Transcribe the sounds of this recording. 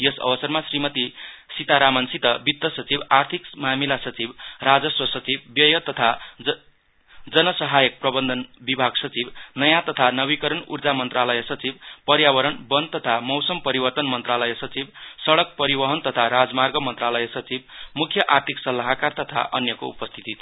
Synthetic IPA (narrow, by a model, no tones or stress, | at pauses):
jʌsʌ̰bʌsʌrmasrimʌt̪isit̪aɾamʌnsit̪ʌbit̪ːʌsʌt͡sibart̪ʰikmamilasʌt͡sibrad͡zʌswʌsʌt͡sibbjʌjʌt̪ʌt̪ʰa | d͡zʌnʌsʌɦajʌk̚prʌbʌnd̪ʱʌnbibʱaɡsʌt͡sibnʌjat̪ʌt̪ʰanʌβikʌɾʌnṵrd͡zamʌnt̪ralʌjesʌt͡sib̚pʌɾjabʌɾʌɳbʌnt̪ʌt̪ʰamʌwsʌmpʌɾibʌrt̪ʌnmʌnt̪ralʌjesʌt͡sibsʌɽʌk̚pʌɾibʌɦʌnt̪ʌt̪ʰaɾad͡zmarɡʌmʌnt̪ralʌjesʌt͡sibmukʰjʌʔart̪ʰiksʌlːaɦakart̪ʌt̪ʰa̰ʔʌ̰njʌko̰ṵpʌst̪ʰit̪it̪ʰ